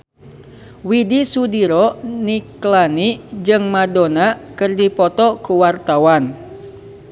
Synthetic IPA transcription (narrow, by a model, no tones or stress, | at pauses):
widisudiɾɔniklanid͡ʒɨŋmadonakɨrdipɔt̪ɔkuwart̪awan